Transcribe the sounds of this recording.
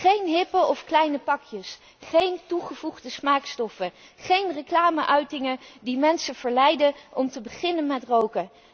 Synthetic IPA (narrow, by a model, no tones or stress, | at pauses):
χejnɦɪpəɔfklɛjnəpɑkjəs | χejntuχəvuχdəsmaːkstɔfə | χejnrəklaːməʔœɥtɪŋədimɛnsəv̥əɹlɛjdənɔmtəbəχɪnənmɛtrowkə